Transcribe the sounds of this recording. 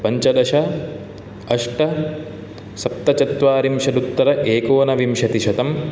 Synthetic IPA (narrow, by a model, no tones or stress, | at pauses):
pɐɲt͡ʃɐd̪ɐʃɐ | ɐʂʈɐ | sɐp̚t̪ɐt͡ʃɐt̪ʋaːɾimʃɐd̪ut̪ːɐɾɐʔeːkoːnɐʋimʃɐt̪iʃɐt̪ɐm